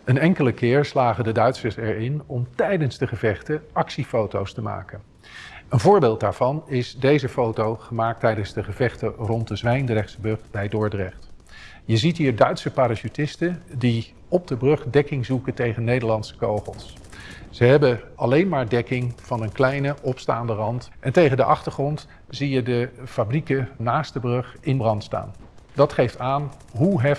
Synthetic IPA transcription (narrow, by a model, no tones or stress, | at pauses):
ənɛŋkələkɪːɹslaːχəndədœɥtsəɹsɛɹɪnɔmtɛjdənzdəχəvɛχtəʔɑksifowtowstəma̰ːkən | ənvʊːɹbɪːlˠt̚daːɹv̥ɑnɪzdejzəfowtowχəmaːk̚tɛjdənzdəχəvɛχtərɔnt̚dəzʋɛjndərɛχtsəbɵχbɛjdʊːɹdrɛχt | jəzitɦiːɹdœɥtsəpaːɾaʃytɪstəndi | ɔb̚dəbrɵχdɛkɪŋzukəntejχənːejdəɹlɑnsə̥ko̰wχəlˠs | z̥əɦɛbəɑlejnmaːɹdɛkɪŋv̥ɑnənklɛjnəʔɔpstaːndərɑntʔɛntejχəndəʔɑχtəɹχrɔnt | z̥ijədəfabrikənaːstdəbrɵχɪnəbrɑntsta̰ːndɑtχejftaːn | ɦuɦɛ